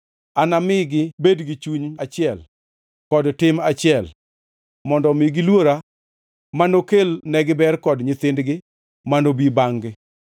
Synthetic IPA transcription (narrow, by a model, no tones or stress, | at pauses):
anamɪɡɪbedɡɪt͡ʃuɲat͡ʃɪɛl | kɔdtɪmat͡ʃɪɛl | mɔndɔmɪɡɪlwoɾa | manokelnɛɡɪbɛrkɔdɲɪt̪ɪndɡɪ | manobibaŋɡɪ